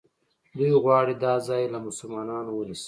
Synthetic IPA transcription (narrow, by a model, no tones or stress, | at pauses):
d̪ujɣwɑːɽid̪ɑːzɑːjelamʊsʊlmɑːnɑnowənisi̥